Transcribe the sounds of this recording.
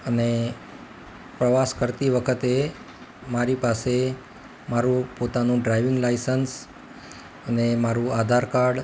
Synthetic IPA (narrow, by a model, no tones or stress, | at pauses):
əne | pɾəʋaskəɾt̪iʋəkʰət̪e | maɾipase | maɾũpot̪anũɖɾajʋɪŋɡlaisəns | ənemaɾũad̪ʱaɾkaɾɖ